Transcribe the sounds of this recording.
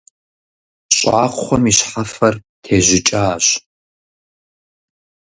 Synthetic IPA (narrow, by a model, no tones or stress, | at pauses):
ɕʼaːχʷχʷɔmiɕħafɐr | tʰeːʑɪt͡ʃʼaɕ